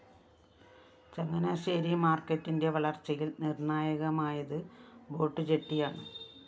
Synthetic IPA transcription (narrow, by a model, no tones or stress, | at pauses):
t͡ɕɐŋːɐnɐɕeːɾimaːrkːɐtːinde̞ʋɐɭɐrt͡ɕːɐjilnirɳaːjɐɣɐmaːjɐðɨbo̞ːʈːɨt͡ɕeʈːijaːɳɨ